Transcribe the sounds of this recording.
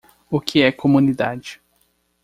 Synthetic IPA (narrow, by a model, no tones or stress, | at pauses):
ʊkʰɪɛkʰomũnid̪ad͡ʒɪ̥